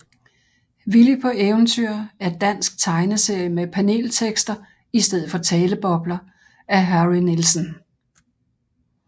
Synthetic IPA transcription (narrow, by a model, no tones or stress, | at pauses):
ʋilipʰɒ̽ʔeʊn̩t͡sʰyɐ̰æɐd̥æn̰sɡ̥̚t͡sʰɑ̈ɪnəse̝ɐ̰jəmepʰæne̝̰ːlt͡sʰeɡ̥sd̥ɐ | isd̥eð̞̰̩ˠfɒ̽t͡sʰɛːləb̥ɒ̽b̥lɐ | æɦæʁinilsən